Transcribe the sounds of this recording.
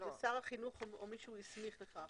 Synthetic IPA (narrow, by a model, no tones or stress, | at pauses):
esaʁaχinuχoomiʃuismiχleχa